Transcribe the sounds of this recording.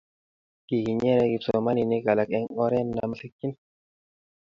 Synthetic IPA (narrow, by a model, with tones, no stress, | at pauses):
ki˨ki˨ɲɛ˦ɾɛ˦ɡi˨pso˨ma˦ni˨ni˦ka˨la˨kɛ˦ŋɔ˦ɾɛ˦nːa̰˨ma˦si˦kːi˦n